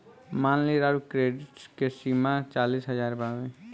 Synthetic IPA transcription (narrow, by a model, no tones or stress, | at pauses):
maːnliɾaɾkɾeːɖɪʈskesiːmat͡ʃaːliːsɦəd͡ʒaːɾbawẽ